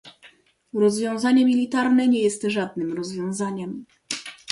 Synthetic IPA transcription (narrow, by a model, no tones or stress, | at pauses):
ɾɔzvʲjɔ̃w̃zaɲɛmʲilʲit̪aɾnɛɲɛjɛst̪ʐad̪̚nɘmɾɔzvʲjɔ̃w̃zaɲɛm